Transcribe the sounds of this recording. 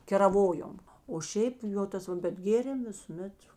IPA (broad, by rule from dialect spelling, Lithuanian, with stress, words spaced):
kʲɛrɐˈʋoːjoːm oː ˈʃʲɛɪp ˈjoː ˈtɐs ʋɐ bʲɛt ˈɡʲeːrʲeːm ʋʲɪsʊˈmʲɛt